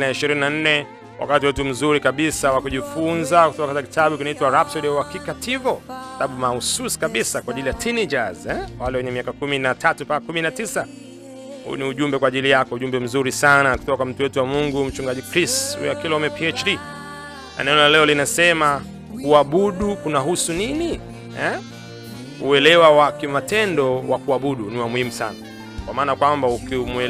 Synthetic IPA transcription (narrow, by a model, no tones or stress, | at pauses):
inaiʃiɾininan̩nɛ | wʔa̰katiwɛtum̩zuɾikaɓisawakuʄifunzaku̥tɔkakataki̥taɓukinaitwaɾap̚sɔɗɛwakikatʰivɔtaɓumahususi̥kaɓisakwaːʄilijatʰinid͡ʒazɛwalɛwɛɲɛmiakakuminatʰatupakakuminatisa | hṵniuʄumbɛkwaːʄilijakɔuʄumbɛm̩zuɾisanaku̥tɔkam̩tuwɛtuwamuŋɡum̩t͡ʃuŋɡaʄikɾisthṵjakilɔumɛpiɛt͡ʃdi | na̰nɛɔnalɛɔlinasɛma | kuaɓuɗukunaɦusunini | ɛ | uɛlɛwawakimatɛndɔwakuaɓuɗuniwamuhimusana | kwamaːnakwambaukimuɛ